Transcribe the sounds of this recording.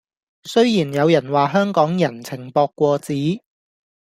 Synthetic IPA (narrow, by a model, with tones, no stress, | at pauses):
sɵ˥ɥjiː˨˩njɐ˨˧wjɐ˨˩nwaː˨ɦœː˥ŋkɔː˨˥ŋjɐ˨˩nt͡sʰɪ˨˩ŋpɔː˧kːʷɔː˧t͡siː˨˥